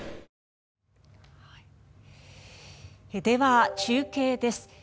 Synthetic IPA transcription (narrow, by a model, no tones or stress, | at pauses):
hai | ed̪e̞βat͡ɕɨːke̞ːd̪e̞sɨ̥